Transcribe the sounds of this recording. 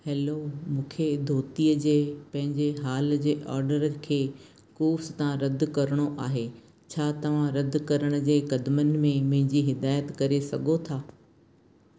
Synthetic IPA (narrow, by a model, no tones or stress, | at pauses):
hɛːlomũːkʰed̪ʱoːt̪ijəd͡ʑeːpɐ̃ɦɪ̃ɲd͡ʑeɦaːld͡ʑeːʔɔːɾɖəɾəkʰeː | kuːfst̪ãɾɐd̪̆ʱkɐɾəɽ̃oʔaːɦeː | t͡ɕʰaːt̪ɐʋ̤ãɾɐd̪̆ʱkɐɾəɽ̃ə̆d͡ʑeːkɐd̪mənɪ̆mẽmɐ̃ɦɪ̃ɲd͡ʑiɦɪd̪aːjət̪kɐɾesɐɡʱot̪ʰaː